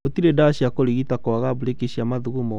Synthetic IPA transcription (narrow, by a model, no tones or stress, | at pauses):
otiɾedaɕiakoɾiɣitakɔaɣabuɾekeɕiamaðuɣumɔ